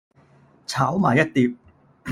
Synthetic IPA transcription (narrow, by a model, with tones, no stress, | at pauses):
t͡sʰaː˨˥wmaː˨˩jɐ˥t̚t̪iː˧p̚